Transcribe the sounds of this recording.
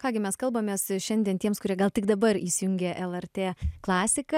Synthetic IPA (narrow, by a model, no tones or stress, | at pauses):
kɑːɡʲɪmʲɛskɐlˠbɐmʲeːsʃʲɛnd̪ʲiɛnt̪ʲiɛmskʊɾʲiɛɡɐlˠt̪ʲɪkd̪ɐbɐɾisʲɪjʊŋʲɡʲɛʔɛlˠɛɾʲt̪ʲeːklˠɑːsʲɪkɐ